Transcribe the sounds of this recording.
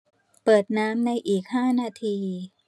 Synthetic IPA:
pɤː˨˩t̪̚naː˦˥mna˧jʔiː˨˩k̚haː˥˩naː˧t̪ʰiː˧

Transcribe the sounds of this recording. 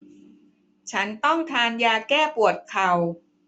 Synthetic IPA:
t͡ɕʰa˦˥nt̪ɔ˥˩ŋt̪ʰaː˧njaː˧kɛː˥˩pu˨˩ət̪̚kʰa˨˩w

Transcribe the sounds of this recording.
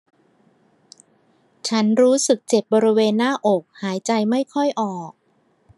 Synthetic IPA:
t͡ɕʰa˦˥nɾuː˦˥sɯ˨˩k̚t͡ɕe˨˩p̚bɔː˧ɾi˦˥weː˧nːaː˥˩ʔo˨˩k̚haː˩˦jt͡ɕa˧jma˥˩jkʰɔ˥˩jʔɔː˨˩k̚

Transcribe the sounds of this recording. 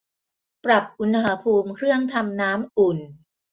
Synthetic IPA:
pɾa˨˩p̚ʔu˧n˧ɦa˧pʰuː˧mkʰɾɯ˥˩əŋt̪ʰa˧mnaː˦˥mʔu˨˩n

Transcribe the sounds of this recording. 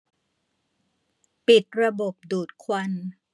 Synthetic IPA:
pi˨˩t̪̚ɾa˧bo˨˩p̚duː˨˩t̪̚kʰwa˧n

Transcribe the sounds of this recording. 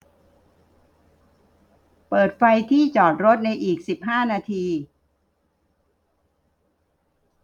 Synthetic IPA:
pɤː˨˩t̪̚fa˧jt̪ʰiː˥˩t͡ɕɔː˨˩t̪̚ɾo˦˥t̪̚na˧jʔiː˨˩k̚si˨˩p̚ɦaː˥˩naː˧t̪ʰiː˧

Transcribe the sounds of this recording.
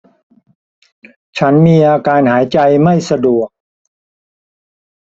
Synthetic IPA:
t͡ɕʰa˦˥nmiː˧ʔaː˧kaː˧nhaː˩˦jt͡ɕa˧jma˥˩jsa˧du˨˩ək̚

